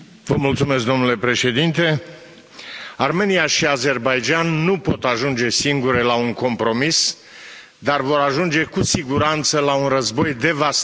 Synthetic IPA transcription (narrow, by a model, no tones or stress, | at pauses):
vəmult̪sume̞s̬k̚d̪o̞mnule̞pɾe̞ʃe̞d̪int̪e̞ | arme̞nijaʃiaze̞rbajd͡ʒanːupo̞t̪aʒund͡ʒe̞siŋɡuɾelauŋko̞mpɾo̞mis | d̪arvo̞ɾaʒund͡ʒe̞kusiɡuɾant̪səlaunrəzbo̞jd̪e̞vas